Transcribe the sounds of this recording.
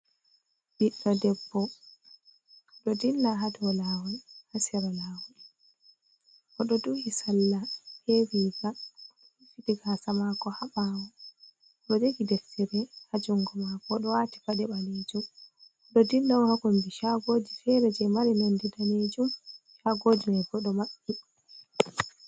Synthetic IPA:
biɗɔdɛbːɔ | ɗɔdilːaɦadɔlawuhasɛɾalaːwu | kɔɗɔduhisalːahewiːɡa | fitiɡasamakɔhaɓawɔ | ɗɔd͡ʒeɡidɛftɛɾɛhad͡ʒuŋɡɔmakɔɗɔwati̥padɛbaned͡ʒum | ɗɔdinːahakɔnd͡ʒiʃaɡoːd͡ʒifɛɾɛd͡ʒɛmaɾinondidaned͡ʒumʃaɡoːd͡ʒimajɡɔɗɔmaɓːi

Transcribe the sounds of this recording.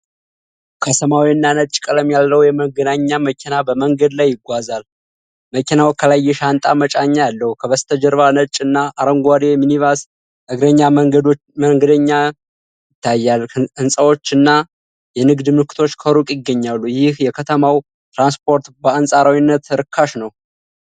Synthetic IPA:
kʰəsəmawiɨnːanət͡ʃʼkʼələmjalːəwjɛməɡənaɲːaməkʰinabəməŋɡəd̪lajːɪɡʷazal | məkʰinawkʰəlajːɛʃant̪ʼamət͡ʃʼaɲːajalːəhukʰəβəst̪ʰəd͡ʒəɾβanət͡ʃʼɨnːaʔaɾəŋɡʷaɾiɛminivas | ʔɨɡɾəɲːa | məŋɡəd̪əɲːa | jɪt̪ʰːajːalɨnsʼəwo̞t͡ʃːɨnːa | jɛnɨɡd̪mɨkʰːɨ̥t̪ʰo̞t͡ʃːkʰəɾukʼjɪɡːəɲːalːujɪhjɛkʰət̪ʰəmaw | t̪ɾanspʰo̞ɾt̪bəansʼaɾawinːət̪ɾɨkʰːaʃnəw

